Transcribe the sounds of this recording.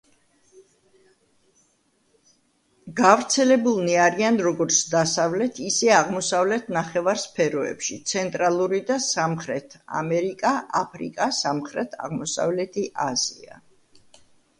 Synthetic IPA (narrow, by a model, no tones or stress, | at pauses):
ɡ̥avɾt̪sʰɛlɛbulˠniaɾianɾɔɡɔɾt̪sʰd̪asavlɛt̪ʰisɛaʁmɔsavlɛt̪ʰnaχɛvaɾspʰɛɾɔɛ̰pʃit̪sʰɛnt̪ʼɾalˠuɾid̪asamχɾɛt̪ʰa̰mɛɾikʼaʔapʰɾḭkʼasamχɾɛt̪ʰa̰ʁmɔsa̰vlɛt̪ʰiʔaz̥ia̰